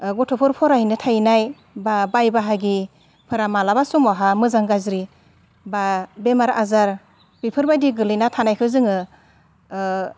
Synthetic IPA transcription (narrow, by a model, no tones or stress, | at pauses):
ɡɔtʰɔpʰɯɾpʰɔɾahinɯtʰajnaj | babajbaɦaɡi | pʰɯɾamalabasumɔɦamɯzaŋɡazɾi | babemaɾazaɾ | b̥ipʰɯɾbajdiɡɯlɯjnatʰanajkʰɯzɯŋɯ